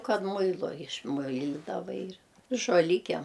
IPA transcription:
ˈkɐt ˈmʊɪlˠʊ ɪʃˈmʊɪlʲɪdɐʋɐ ɪr ʒoːˈlʲɪkʲiɛm

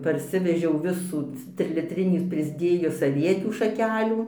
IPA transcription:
pɐrʲˈsʲɪʋʲɛʒʲɛʊ ˈʋʲɪsuː tʲrʲɪlʲɪtʲˈrʲɪnʲiː pʲrʲɪzʲˈdʲeːjʊs ɐˈʋʲiɛtʲuː ʃɐˈkʲæːlʲuː

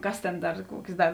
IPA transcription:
ˈkɐs tʲeːn ˈdɐr ˈkuɔkʲeːs ˈdɐr

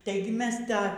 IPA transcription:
ˈtɐɪɡʲɪ ˈmʲɛs ˈtɑː

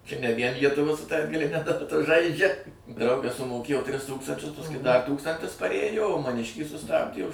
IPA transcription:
t͡ʃʲɛ nʲɛ ʋʲiɛn lʲiɛtʊˈʋuɔ sʊ tɐ ɐdɡɐlʲɪˈnʲɛ dɐˈtɐ ˈʒɐɪd͡ʒʲɛ ˈdrɐʊɡɐs sʊmoːˈkʲeːjoː tʲrʲɪs ˈtuːkstɐnʲt͡ʃʲʊs pɐsˈkʊɪ dɐ ˈtuːkstɐnʲtʲɪs pɐˈrʲeːjoː oː mɐˈnʲɪʃʲkʲiː sʊˈstɑːbʲdʲeː ʊʃ

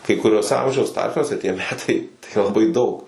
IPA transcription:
kɐɪ kʊˈrʲuɔs ˈɐmʲʒʲɛʊs ˈtɐrʲpʲsʲnʲuɔsʲɛ tʲiɛ ˈmʲæːtɐɪ tɐɪ lˠɐˈbɐɪ dɐʊk

